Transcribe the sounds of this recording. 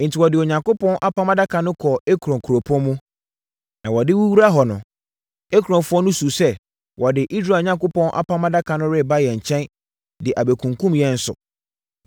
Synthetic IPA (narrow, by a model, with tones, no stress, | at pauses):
n̩˨tʰɪ˨wɔ˨dɪ˨ɔ˨ɲã˨ŋko˦pʰɔ̃˦nʔa˦pʰã˦ma˦da˦kʰa˨nʊ̃˦kʰɔ˨e˦kʰu˨ɾɔ̃˨ŋkʰu˨ɾo˨pʰɔ̃˦mũ˦ | nã˨wɔ˨dɪ˦wu˦wu˦ɾa˦ɦɔ˨nʊ̃˨ | e˦kʰu˨ɾɔ̃˨nfʊ˦ɔ˦nʊ̃˦su˨sɛ˦ | wʔɔ˨dɪ˨ʔi˦s̬ɾa˦˨ɲã˦ŋko˦pɔ̃˦nʔa̰˦pʰã˦ma˦da˦kʰã˨nʊ̃˦ɾɪ˦˨ba˦jɛ˨ɲ̩˨t͡ɕʰɛ̃˦n | dɪ˨ʔa˨be˨kʰũ˨ŋkʰũ˦mjɛ˦n̩˦sʊ̰˨